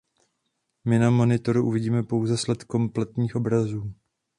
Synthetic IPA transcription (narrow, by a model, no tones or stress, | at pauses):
mɪnamo̞nɪt̪o̞ɾuʔuvɪɟiːmɛpo̞wzɛslɛt̪ko̞mplɛt̪ɲiːxʔo̞bɾazuː